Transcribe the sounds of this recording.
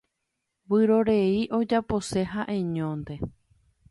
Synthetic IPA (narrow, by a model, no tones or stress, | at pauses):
wɨɾo̞ɾe̞iʔo̞d͡ʒapo̞se̞ɦaʔẽ̞ɲõnd̪e̞